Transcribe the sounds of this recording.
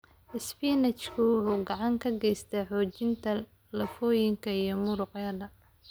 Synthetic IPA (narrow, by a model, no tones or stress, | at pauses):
ʔɪspiːnɐt͡ʃkʰʊwʊħuːɡɑʕɑŋkʰɐɡɛjst̪ʰɐħɔːt͡ʃɪnt̪ʰɐ | lɐfɔːjɪŋkʰɐijɞmʊɾʊqjɐd̪ɐ